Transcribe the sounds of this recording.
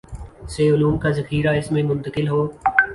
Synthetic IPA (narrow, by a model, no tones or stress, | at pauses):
seːʊluːmkaːzəxiːɾaːɪsmẽːmʊ̃nt̪əkɪlɦoː